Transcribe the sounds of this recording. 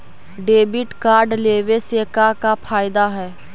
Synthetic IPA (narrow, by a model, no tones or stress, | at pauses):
ɖeːbɪʈkaːɾɖleːʋeseːkakapʰaːɪd̪aɦɛː